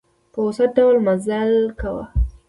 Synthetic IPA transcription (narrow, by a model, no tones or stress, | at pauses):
pəʊsat̪̚ɖawlmazalkawa̰